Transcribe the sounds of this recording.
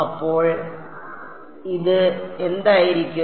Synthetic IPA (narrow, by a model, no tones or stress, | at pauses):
ɐpːoːɻ | ɪðɯɛnd̪aːjɪɾɪkʲːɯ